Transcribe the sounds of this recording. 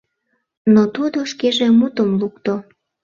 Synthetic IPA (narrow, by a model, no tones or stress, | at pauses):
not̪ud̪oʃkeʒemut̪əmlukt̪o